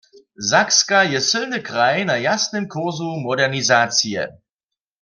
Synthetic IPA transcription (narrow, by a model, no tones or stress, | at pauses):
zakskajɛsʏlnəkʁaɪnajasnəmkʰʊɐzumɔdɛʁnizaːt͡siə̰